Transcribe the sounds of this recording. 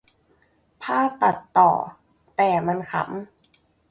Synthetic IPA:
pʰaː˥˩p̚t̪a˨˩t̪ːɔ̰ː˨˩ | t̪ɛː˨˩ma˧nkʰa̰˧˩˦m

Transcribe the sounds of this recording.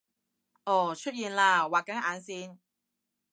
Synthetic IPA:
ʔɔː˧˩t͡ʃʰɵ˥t̚jiː˨nlaː˧waː˨kːɐ˨˥ŋʔaː˨˧˥nsiː˥˩n

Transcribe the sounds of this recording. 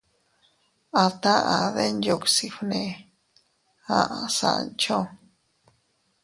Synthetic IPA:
a˧˨t̪ã˦ʔa˨ðe˦nd͡ʒo˨ksi˧fnẽ˧˨ | ã˦ʔa˨sa̰˨ʔnt͡ʃo˦

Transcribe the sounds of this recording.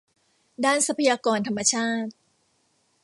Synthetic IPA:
daː˥˩nsa˧pʰa˧jaː˧kɔː˧nt̪ʰa˧mːa˧t͡ɕʰaː˥˩t̪̚

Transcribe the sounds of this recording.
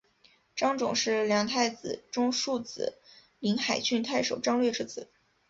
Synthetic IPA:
ʈ͡ʂɑ˥ŋʈ͡ʂʊ̰˨˩ŋʂɻ̩˥˩ljɑ˧˥ŋt̪ʰa˥˩ɪt͡sɹ̩˨˩ʈ͡ʂʊ˥ŋʂu˥˩t͡sɹ̩˨˩ | li˧˥ŋxa˨˩ɪt͡ɕʰy˥˧nt̪ʰa˥˩ɪʂo˨˩ʊʈ͡ʂɑ˥ŋlɥɛ˥˧ʈ͡ʂʰɻ̩˥t͡sʰɹ̩˨˩˦

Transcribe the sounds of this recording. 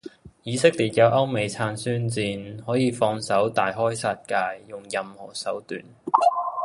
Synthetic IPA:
jiː˨˧sɪ˥k̚liː˨˩t̚kɐ˨˧wʔɐ˥wme˨˧jt͡sʰaː˧nsyː˥nt͡siː˧nhɔː˨˥jiː˨˧fɔː˧ŋsɐ˨˥wt̪aː˨˩jɦɔː˥jsaː˧t̚kaː˧jːʊ˨˩ŋjɐ˨mhɔ̰ː˨˩sɐ˨˥wt̪y̰ː˨˩n

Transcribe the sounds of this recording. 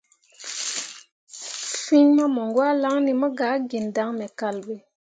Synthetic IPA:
fi˦ɲma˦mo˨ŋɡwa˦la˦ŋni˨mə˦ɡa˨˦ɡi˨nda˨˦ŋmɛ˨ka˦˨lbe˨

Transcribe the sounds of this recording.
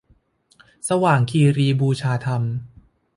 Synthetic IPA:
sa˧waː˨˩ŋkʰiː˧ɾiː˧buː˧t͡ɕʰaː˧t̪ʰa˧m

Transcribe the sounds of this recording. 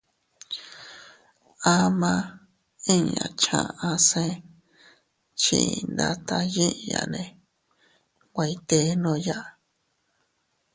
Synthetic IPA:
a˧mã˧ | ĩ˦ɲã̰˧˨t͡ʃã̰˧ã˧sẽ˦˧˦ | t͡ʃĩ˧nd̪a˧t̪a˧jĩ˦˧ja̰˧nẽ˧ | kʷa˧i˧t̪e˧˦nõ˧ja˦ʔ

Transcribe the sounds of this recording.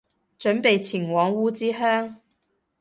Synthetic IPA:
t͡ʃɵ˨˥npe˨jt͡sʰi˨˩ŋwɔː˨˥ŋwuː˥t͡siː˥ɦœː˥ŋ

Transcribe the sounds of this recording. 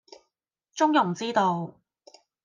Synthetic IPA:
t͡ʃʊ˥ŋjʊ˨˩ŋt͡siː˥t̪o˧w

